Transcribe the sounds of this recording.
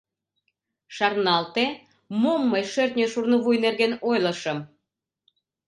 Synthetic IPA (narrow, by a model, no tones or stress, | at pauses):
ʃɑrnɑlt̪e | momːɤjʃørt̪ʲnʲeʃurnəβujnerɣenojlə̆ʃəm